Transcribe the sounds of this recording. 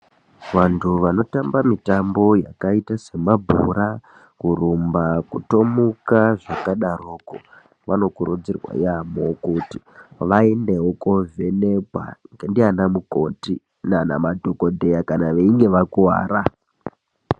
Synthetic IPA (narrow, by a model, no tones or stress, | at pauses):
ʋantʰuʋano̞tambamitambo̞ja̰kaitase̞mabʱuɾa | kurumbakuto̞mukaʐakaɗaroko | ʋano̞kuɾʔud͡zirwa̰jamokuti | ʋaendeokovʱenekwa̰ŋɡendianamuko̞ti | nana̰madʱo̞ko̞dʱe̞jakanaʋeiŋɡe̞ʋakua̰ːɾa